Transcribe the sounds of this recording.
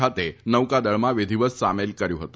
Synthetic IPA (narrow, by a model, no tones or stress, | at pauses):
at̪enəʋwkad̪əɭmaʋed̪ʱiʋət͡ssamelkəɾjuɦət̪u